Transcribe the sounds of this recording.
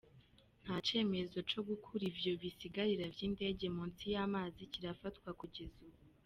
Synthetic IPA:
n̥haːt͡ʃe̞ːme̞zo̞t͡ʃo̞ɡukʰuɾivjo̞βisiɡaɾiɾavjiːnde̞ːɟe̞muːnt͡sijaːmaːziciɾafatwakuɟezuβu

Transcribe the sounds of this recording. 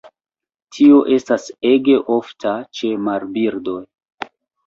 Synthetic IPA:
tʰio̞ʔe̞staseɡe̞ʔo̞ftʰat͡ʃe̞maɾbiɾdo̞j

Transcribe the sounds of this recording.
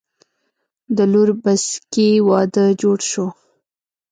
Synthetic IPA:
d̪əluɾbaskiwɑd̪əd͡ʒoɽʃo

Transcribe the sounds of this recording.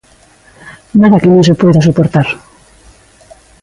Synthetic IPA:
naðakenesopojðasupoɾt̪aɾ

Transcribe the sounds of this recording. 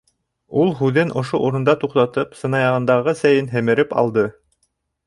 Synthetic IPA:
ulˠɦʉðɘnʔŏʃoʔuɾŏnd̪ɑt̪uqt̪ɑt̪ɤpsɤ̆nɑjɑʁɤ̆nd̪ɑʁɤsæjɘnɦɘ̆mɘ̆ɾɘpɑ̰lˠd̪ɤ

